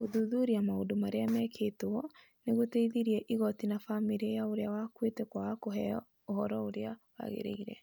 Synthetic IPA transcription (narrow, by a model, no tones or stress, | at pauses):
oðuðuɾiamaondomaɾeamɛkʰetwɔ | neɣoteiðiɾiɛʔiɣɔtinafamiɾiejaoɾeawakwetɛkwaakoɦɛɔ | ohɔɾɔoɾeawa̰ɣḛɾḛiɾɛ̰